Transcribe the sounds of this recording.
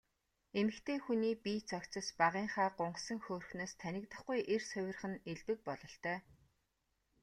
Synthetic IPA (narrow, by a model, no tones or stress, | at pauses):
emɘ̆kt̪ʰeːxuniːpiːt͡sʰɔkt͡sə̆spaʁiːɴχaːɢʊɴɢsə̆ŋxoːr̆xnoːst̪ʰænʲɪ̆kt̪ə̆χɡujʔersœwʲɪ̆rχə̆neɮpɘ̆k̚pɔɮɞ̆ɬt̪œː